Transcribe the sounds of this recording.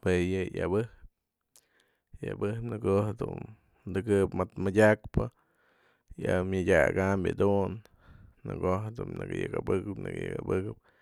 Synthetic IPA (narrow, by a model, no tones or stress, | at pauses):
pejɨjabɨhp | ja̰bɨhpnɨɡohd̪ṵn | d̪ɨɡɨpmat̪madʲakpɨ | jamʲadʲaɡambʲa̰d̪un | nɨɡoɦd̪umnɨɡɨjaɡabɨkɨpnɨɡɨjɨɡabɨkɨp̚